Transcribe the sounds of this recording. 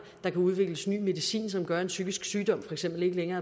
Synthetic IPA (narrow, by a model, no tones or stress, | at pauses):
d̥ɑ̈kʰæuð̞ˠʋe̝ɡ̥ləsny̰ːme̝ðˠisḭːnsɒ̽mɡ̥ɶɐe̝nsyɡ̥isɡ̥syːd̥ɒ̽m̰fɒ̽eɡ̥sem̰b̥l̩e̝ɡ̥əleŋɐː